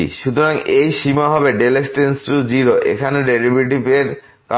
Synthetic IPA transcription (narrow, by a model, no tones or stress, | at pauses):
ḭʃut̪ʰoɾaŋejʃimaɦɔbeɖelesʈensʈud͡ʑiɾoʔḛkʰaneɖeɾibiʈ̬ipeɾ | ka